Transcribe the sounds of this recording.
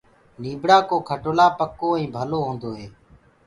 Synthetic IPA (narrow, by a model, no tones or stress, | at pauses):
niːbɽaːkoːkʰəʈoːlaːpəkoːĩːbʱəloːɦõːnd̪oːɦeː